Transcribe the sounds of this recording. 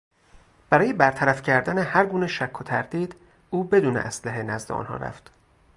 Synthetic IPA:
b̥æɾɒːje̞bæɾt̪ʰæɾæfcʰæɾd̪ænehæɾɡuːneʃækʰːot̪ʰæɾd̪iːd̪ | uːbe̞d̪uːnḛʔæslæɦe̞næzd̪eɒ̰nhɒ̰ːɾæ̰ft̪

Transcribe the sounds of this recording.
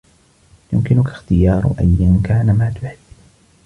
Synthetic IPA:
jʊmkɪnʊkḁxt̪ɪjɑːɾ̰ˤʔa̰jjankaːnamaːt̪ʊħɪbː

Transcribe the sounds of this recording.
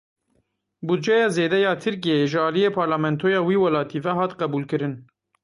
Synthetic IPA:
bud̪̚d͡ʒɛjɑːzeːd̪ɛjɑːt̪ʰɨɾk̬ijeːʒɨɑːlijeːpʰɑːɾlaːmɛnt̪ʰoːjɑːwiːwɛlɑːt̪ʰiːvɛɦɑːt̪qɛbuːlkɨɾɨn

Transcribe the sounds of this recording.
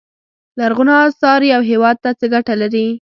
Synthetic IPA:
laɾɣʊnɑsɑɾiawɦewɑd̪̚t̪at͡səɡaʈalaɾi

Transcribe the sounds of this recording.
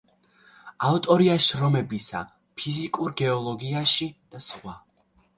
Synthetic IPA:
aut̪ʼɔɾiaʃɾɔmɛbisa̰ | pʰizikʼuɾɡɛɔlˠɔɡiaʃid̪̥asχwa

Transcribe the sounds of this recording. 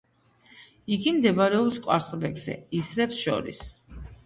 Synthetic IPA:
iɡimd̪ɛbaɾɛɔpskʼwaɾsvɛkz̥ɛ̰isɾɛpsʃɔ̰ɾḭs

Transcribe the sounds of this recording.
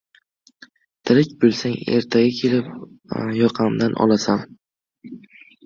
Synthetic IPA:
t̪ʰɪɾɪkʲbolˠsaŋe̞̰ɾt̪ʰaɡʲakʲʰe̞lɪp̚jɒqʰɑmd̪anʔɒ̰lˠasam

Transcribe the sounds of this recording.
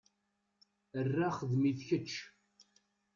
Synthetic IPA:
ərːaχəðmiθçət͡ʃː

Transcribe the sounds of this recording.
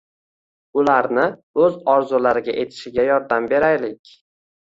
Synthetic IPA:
ʊlaɾnɪ | ɵzɒɾzʊlaɾɪɡʲaʔe̞t̪ʰɪ̥ʃɪɡʲajɒɾd̪ambe̞ɾajlɪkʲ

